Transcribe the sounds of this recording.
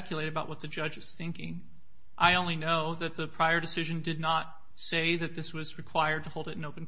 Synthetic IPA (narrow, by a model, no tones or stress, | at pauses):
kʰjleɪɾɨbaʊʔ̚wʌt̪̚ðɨd͡ʒʌd͡ʒɨz̥θɪ̃ŋkɪ̃ŋ | ʔaɪõʊ̃nlinoʊðɨt̪̚ðɨpʰɹ̥aɪə˞dɨsɪʒɨ̃ndɨdⁿnət̚ | seɪðɨt̪̚ðɪswʌzɹɨkʰw̥aɪə˞d̚tʰəhoʊlˠdɨɾn̩oʊpn̩